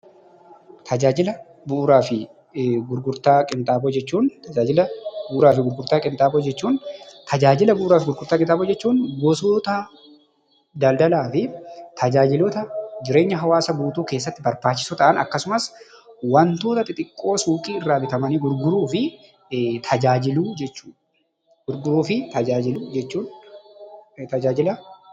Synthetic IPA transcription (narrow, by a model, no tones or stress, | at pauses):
t̪ʰɐd͡ʒaːd͡ʒɪlɐ | bʊʔːɾaːfɪ | ɡʊɾɡʊɾt̪aːkʼɪnt̪ʼaːbod͡ʒɛt͡ʃːuːnt̪ɐd͡ʒaːd͡ʒɪlɐbʊʔʊɾaːfɪɡʊɾɡʊɾt̪aːkʼɪnt̪ʼaːbod͡ʒɛt͡ʃːuːnt̪ʰɐd͡ʒaːd͡ʒɪlɐbʊʔːɾaːfɡʊɾɡʊɾt̪aːkʼɪnt̪ʼaːboːd͡ʒɛt͡ʃːuːnɡɔsoːt̪ɐ | d̪ɐld̪ɐlaːfɪt̪ʰɐd͡ʒaːd͡ʒɪlɔt̪ɐd͡ʒɪɾe̞ːɲːɐɦɐwaːsɐbuːt̪uːke̞ːs̬ːɐt̪ːɪbɐɾbaːt͡ʃːɪ̥sʊt̪ɐʔɐnɐ̰kːɐsʊmɐs | wɐnt̪o̞ːt̪ɐt̪ʼɪt̪ʼɪkʼːo̞ːsuːkʼiːɪrːaːbɪt̪ɐmɐniːɡʊɾɡʊɾuːfɪ | t̪ʰɐd͡ʒaːd͡ʒɪluːd͡ʒɛt͡ʃːuːᶑ | ɡʊɾɡʊɾuːfɪt̪ɐd͡ʒaːd͡ʒɪluːd͡ʒɛt͡ʃːuːn | t̪ɐd͡ʒaːd͡ʒɪlɐ